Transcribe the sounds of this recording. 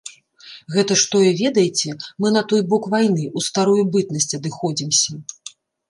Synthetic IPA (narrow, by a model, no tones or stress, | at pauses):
ɣɛt̪ɐʂt̪ɔjɛvʲɛd̪ɐjit͡sʲɛmɨnɐt̪ɔjbɔkvajnɨʔust̪aɾujubɨt̪nɐsʲt͡sʲɐd̪ɨxɔd͡zʲimsʲɐ